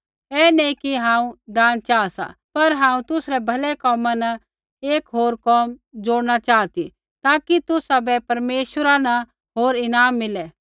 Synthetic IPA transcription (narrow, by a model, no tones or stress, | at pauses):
ɛːnɛĩkiɦãːũd̪aːnt͡ʃaːsa̰pɐɾɦãːũt̪ʊsɾɛbʱɐlɛkɔːmanɐ | eːkɦoːɾkɔːmd͡zoːɽñat͡ʃaːt̪i | t̪aːkit̪ʊsabɛpɐɾmeːʃwəɾanɐ | ɦoːɾɪnaːmːɪlɛ